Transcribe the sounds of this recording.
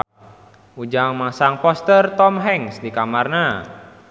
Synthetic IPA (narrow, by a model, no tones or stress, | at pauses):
ud͡ʒaŋmasaŋpɔst̪ərt̪ɔmɦɛŋsdikamarna